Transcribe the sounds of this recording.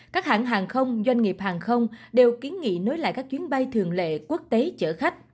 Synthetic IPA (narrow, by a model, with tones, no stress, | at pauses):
kaː˦˥k̚ha̰ː˧˩nɦaː˨˩ŋxə˧wŋ͡mzwa˧ŋ̟ŋi˨˩p̚haː˨˩ŋxə˧wŋ͡mɗe˨˩wki˨˦ənŋḭ˧˨no˨˦jla̰ː˧˨jkaː˦˥k̚t͡ɕwi˨˦ənɓa˧jt̪ʰɨ˨˩əŋlḛ˧˨ku˦˥ək̚t̪e˨˦t͡ɕə̰ː˧˩xa˦˥jk̟̚